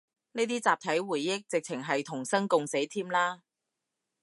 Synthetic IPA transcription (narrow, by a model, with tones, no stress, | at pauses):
neː˥t̪iː˥t͡saː˨p̚t̪ʰɐ˨˥jwuː˨˩jːɪ˥k̚t͡sɪ˨k̚t͡sʰɪ˨˩ŋɦɐ˨jt̪ʰʊ˨˩ŋsɐ˥ŋkʊ˧ŋse˨˥jt̪ʰiː˥mlaː˥